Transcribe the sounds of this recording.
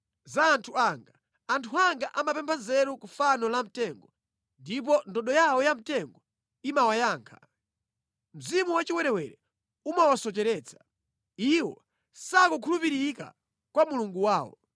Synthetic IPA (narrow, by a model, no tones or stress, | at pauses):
zaːntʰuaŋɡa | antʰuaŋɡaʔamapɛmpʰanzɛɾukufanɔlam̩tɛŋɡɔ | ndip̬ɔndɔɗɔjawɔjam̩tɛŋɡɔ | imawajaːŋkʰḁ | m̩zimuwat͡ʃiwɛɾɛwɛɾɛ | umawasɔt͡ʃɛɾɛːt͡sʰḁ | iwɔ̰ | sakukʰulupiɾika̰ | kwamuluŋɡuwaːwɔ̰